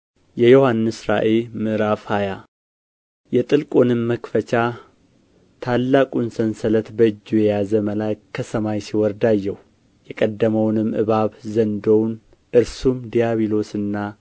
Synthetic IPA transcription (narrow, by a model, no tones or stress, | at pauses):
jɛjohanːɨsɾa̰ʔelmɨɾafaja | jɛt̪ʼɨlkʼonɨmːəkfət͡ʃa | t̪ʰalːakʼunsənsələt̪bəɨd͡ʒːujɛjazəməlakkʰːəsəmajsiwɔɾd̪ajːɛhu | jɛkʼəd̪ːəməwnɨmʔɨ̰βaβzənd̪own | ʔɨɾsumd̪ijaβilo̞sɨnːa